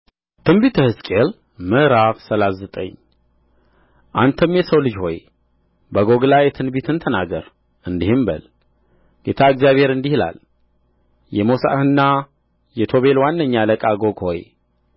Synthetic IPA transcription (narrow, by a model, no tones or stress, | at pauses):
t̪ʰɨnbit̪ʰəhɨskʼel | mɨʔɾafsəlaszət̪ʼə̰ɲː | ʔant̪ʰəmjɛsəwlɨd͡ʒho̞j | bəɡo̞ɡlajɛt̪ʰɨnbit̪ʰɨnt̪ʰənaɡəɾ | ɨnd̪ihɨmbə̰l | ɡ̥et̪ʰaɨɡzijaβhe̞ɾɨnd̪ihla̰l | jɛmosa̰hɨnːa | jɛt̪ʰoβe̞lwanːəɲːaləkʼaɡo̞ɡho̰j